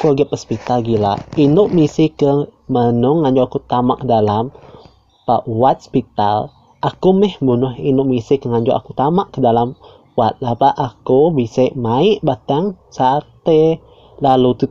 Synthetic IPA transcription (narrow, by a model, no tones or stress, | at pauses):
kuaɡapəspit̪alɡilainʊʔmisɪkəmənʊŋːaɲd͡ʒoakut̪amaʔkədalam | paʔwat̪̚spit̪al | akumɛhbunʊhinʊʔmisɪkəŋaɲd͡ʒoʔa̰kut̪amaʔkədalam | wat̪̚lapaʔakubisaʔmaɪʔbat̪aŋsat̪e | lalut̪u